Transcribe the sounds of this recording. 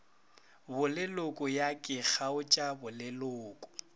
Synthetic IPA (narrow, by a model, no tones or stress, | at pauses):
bʊlɪlʊkʼʊjakʼɪk͡xʰaʊt͡ʃʼabʊlɪlʊːkʼʊ̥